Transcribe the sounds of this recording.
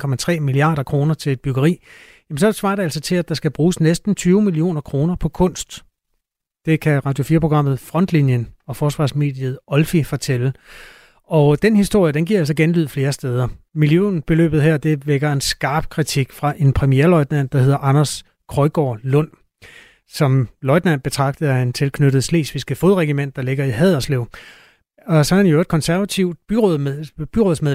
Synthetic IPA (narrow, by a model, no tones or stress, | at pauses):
kʰɒ̽mæt͡sʰʁɛ̰ːmiliɑ̰̈ːɾɐkʰʁo̝ːnɐt͡sʰe̝le̝d̚b̥yɡ̥ɐʁḭːjæmensɒ̥sʋɑ̰̈ːɾ̥eælsɒ̽t͡sʰe̝læd̥ɑ̈sɡ̥æb̥ʁuːsnesd̥n̩t͡sʰyːʊmilio̝̰ːnɐkʰʁo̝ːnɐpʰɒ̽kʰɔ̽n̰sd̥ | d̥e̝kʰæʁɑ̈d̥jo̝fiːɐpʰoɡʁɑ̈m̰ð̞̩ˠfʁɒ̽n̰d̥linjənɒ̽fɒːsʋɑ̈ːsme̝̰ːd̥ið̩ˠɒ̽lfifɒ̽t͡sʰel̰ə | ɒ̽d̥enhisd̥o̝ɐ̰jəd̥enɡḭɐæl̰s̬ɒ̽ɡ̥enlyð̞̰ˠfle̝ːɐsd̥eːð̞ˠɐmiljø̰nb̥e̝lø̰ːb̥ð̩ˠɦæɐ̰d̥e̝ʋeɡ̥ɐe̝nsɡ̥ɑ̈ːb̥̚kʰʁit͡sʰiɡ̥fʁɑ̈ʔe̝npʰʁɛmijeɐlɒ̽ɪd̥næn̰̥ɑ̈he̝ð̞̰ˠɐʔɑ̈nɐs | kʰʁɒ̽ɪɡ̥ɒ̰ːlɔ̽n̰ | sɒ̽mlɒ̽ɪd̥nænb̥e̝t͡sʰʁɑ̈ɡ̥̚d̥ðent͡sʰe̝lkʰnøɾð̞̩ˠsle̝̰ːsʋisɡ̥æfo̝ːðˠʁɛɡ̥imen̰d̥ɑ̈le̝ɡ̥ɐiɦɛð̰ˠɐsleʊ | ɒ̽sɒenjoed̥̚kʰɒ̽nsæɐʋæt͡sʰiʊ̰̥b̥yʁoðˠb̥yʁoːðˠsmeðˠ